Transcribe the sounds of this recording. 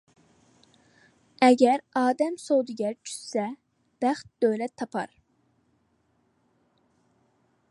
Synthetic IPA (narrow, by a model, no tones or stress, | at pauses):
ɛɡʲɛɾɑːd̪ɛmsowd̪uɡʲɛɾt͡ʃʰy̥ssɛ | b̥æχt̪̚d̪̥øjlɛt̪ʰːɑpʰɑ̰ɾ